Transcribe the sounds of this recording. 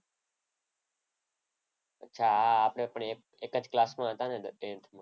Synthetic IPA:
ətːt͡ʃʰaːaːpɽeːpəɳ | eːkəd͡ʒklaːsmãːɦət̪ãːnẽːd̪ẽːnt̪ʰmãː

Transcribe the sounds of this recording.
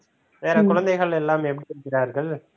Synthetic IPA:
ʋeːɾɐkʊɻɐnd̪ɐɪɣɐɭɛlːaːmɛp̬ːɐɽiɪɾɯkːɪɾaːɾɣɐɭ

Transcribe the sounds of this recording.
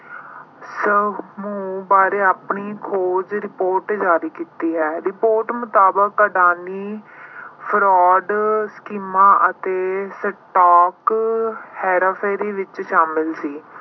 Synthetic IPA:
səmũːbaːɾeːaːpɳiːkʰoːd͡ʒɾɪpoːɾʈd͡ʒaːɾiːkiːt̪iːɦɛːɾɪpoːɾʈmʊt̪aːbəkːəɖaːniː | pʰɾɔːɖskiːmãːʔət̪eːsəʈaːk | hɛːɾaːpʰɛːɾiːʋɪt͡ʃʃaːmɪlsiː

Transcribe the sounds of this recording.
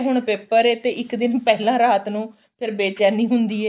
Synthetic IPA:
ɦʊɳpeːpəɾeːt̪eːʔɪkd̪ɪnpɛːlãːɾaːt̪nũː | pʰɪɾbeːt͡ʃaːniːɦʊnd̪iːɛː

